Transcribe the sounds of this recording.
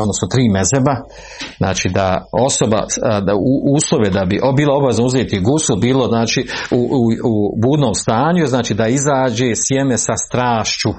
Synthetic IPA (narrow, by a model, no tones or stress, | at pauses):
od̪nosot̪ɾiːmezeba | zna̰ːt͡ʃiːd̪ao̞so̞ba̰uʔuːslˠoʋed̪abiʔobiːlˠao̞baʋeznauzeːt̪iɡusubiːlo̞znaːt͡ʃiːuubuːd̪no̞ːmst̪aːɲuznaːt͡ʃiːd̪aizaːd͡ʑe̞ːsjeme̞sast̪ɾaːʃt͡ɕu